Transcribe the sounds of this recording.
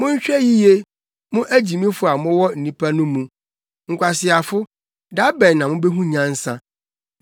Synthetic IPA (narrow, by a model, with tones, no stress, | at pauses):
mʊ̃˦ɲ̩˦ɕᶣɛ˦ji˦je˦ | mʊ̃˦ʔæ˦d͡ʑi˨mĩ˦fʊ˦a˨mʊ̃˦wɔ˦n̩˨nĩ˦pʰa˦nʊ̃˦mũ˨ | ŋ̩˨kʷa˨sɪ˨a˨fʊ˦ | da˦bɛ˨nːã˨mʊ̃˦bɛ˦ɦũ˦ɲã˦n̩˦sã˦